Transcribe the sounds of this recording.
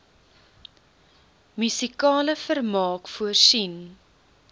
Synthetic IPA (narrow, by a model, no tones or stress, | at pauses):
mysikɑːləfərmɑːkfuərsin